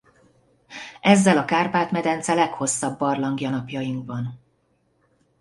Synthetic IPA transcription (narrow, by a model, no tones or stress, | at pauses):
ʔɛzːɛlɒkaːrpaːt̪mɛd̪ɛnt̪sɛlɛkho̞sːɒbːɒrlɒŋɡjɒnɒpjɒjiŋkbɒn